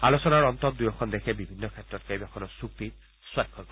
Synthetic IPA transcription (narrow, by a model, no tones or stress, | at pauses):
alosɔnaɹɔntɔt̚dujɔkʰɔndɛkʰɛbibʱinːɔkʰɛtːɹɔtkajibakʰɔnɔsuk̚ti | swakʰːɔk